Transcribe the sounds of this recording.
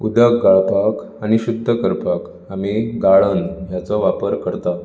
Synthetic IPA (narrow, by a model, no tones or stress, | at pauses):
ud̪əkɡaɭpak | aɽ̃iɕud̪ʱːəkəɾpak | amiɡaɭənɦjat͡sɔʋapəɾkəɾt̪a